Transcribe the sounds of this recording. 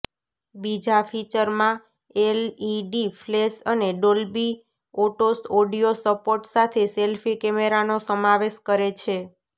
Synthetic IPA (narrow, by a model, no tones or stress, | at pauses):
bid͡ʒafit͡ʃəɾmã | eliɖiflesəneɖolbi | oʈosoɖijosəpoɾʈsat̪ʰeselfʰikemeɾanosəmaʋeʃkəɾet͡ʃʰe